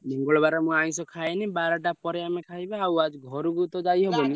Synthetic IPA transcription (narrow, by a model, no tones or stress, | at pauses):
niŋɡɔɭɔbaɾɔmũaj̃sɔkʰajnibaɾɔʈapɔɾeamekʰaɦibaawad͡ʒɡʱɔɾuɡut̪ɔd͡ʒajɦebɔni